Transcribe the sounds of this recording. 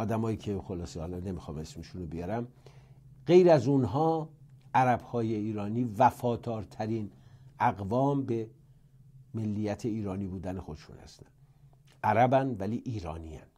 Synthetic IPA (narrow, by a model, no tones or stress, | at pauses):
ɒːd̪æmɒːiːcʰe̞xo̞lɒːsehɒːlɒne̞mixɒ̰ːme̞smeʃunobijɒɾæm | ɢejɾæzunɦɒːʔæɾæbhɒːje̞iːɾɒːniːvæfɒːd̪ɒːɾt̪ʰæɾiːnæɣvɒːmbe̞ | melːijæt̪ʰe̞iːɾɒːniːbuːd̪æne̞xo̞d̪eʃṵːnhæ̰st̪æn | ʔæɾæbænvæliːʔiːɾɒ̰ːniæ̰n